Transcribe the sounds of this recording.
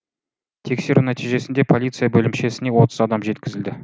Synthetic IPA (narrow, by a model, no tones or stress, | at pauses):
t̪ʰe̞kse̞ɾunæt̪iʒe̞sɪnd̪e̞pʰo̞lʲit̪sɨjabɵlɪmʃe̞sɪne̞wo̞t̪əzɑd̪ɑmʒe̞t̪kʲɪzɪld̪ɪ